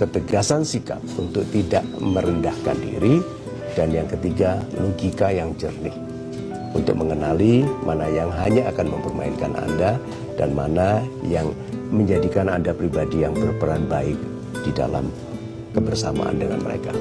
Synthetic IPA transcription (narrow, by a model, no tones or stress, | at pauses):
kət̪əɡasansika̰p̚unt̪ʊk̚t̪idaʔməɾəndahka̰ndḭɾi | d̥anjaŋkət̪iɡaloɡikajaŋd͡ʒərnɪh | ṵnt̪ʊk̚məŋənalimanajaŋɦaɲaːkanməmpərma̰inkanʔa̰nda | d̥anma̰najaŋ | məɲd͡ʒadikanandapɾibadijaŋbərpəɾanbaɪk̚ | d̥ida̰la̰m | kəbərsama̰ʔa̰ndəŋa̰nmə̰ɾḛka